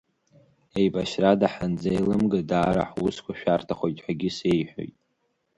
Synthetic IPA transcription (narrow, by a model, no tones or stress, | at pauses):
e̞jbaʃradaħand͡zaelɨmɡadaːɾa̰ħwuskʷʰaʃᶣartʰaχʷojtʼħʷᶣaɡʲɪse̞jħʷᶣo̰jtʼ